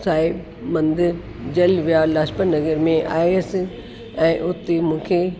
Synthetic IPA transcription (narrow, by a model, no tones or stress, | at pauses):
saːɦɪb | mɐ̃nd̪ɾ | d͡ʑɐlʋijalaːspəɾnɐɡəɾmẽʔa̰ːjs | ɛ̃ːʔʊt̪ːemũːkʰe